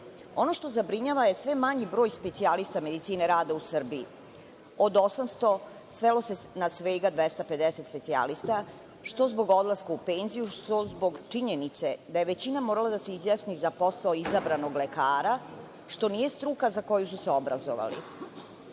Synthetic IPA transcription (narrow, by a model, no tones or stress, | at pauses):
o̞no̞ʃt̪o̞zabɾiɲaʋaje̞sʋe̞maɲibɾo̞ːjspe̞t̪sialist̪ame̞d̪it̪siːne̞ɾaːd̪ausr̩biː | od̪o̞samst̪o̞ | sʋelo̞senasʋe̞ːɡad̪ʋest̪ape̞d̪eset̪spe̞t̪sia̰list̪a | ʃt̪o̞zbo̞ɡo̞d̪lˠaskaupeːnzijuʃt̪o̞zbo̞ɡt͡ʂiɲenit̪se̞d̪aje̞ʋe̞t͡ɕinamoɾalˠad̪ase̞izjasnizapo̞saoizabɾano̞ɡlekaːɾa | ʃt̪o̞nije̞st̪ɾukazako̞jususeo̞bɾa̰zo̰ʋa̰lḭ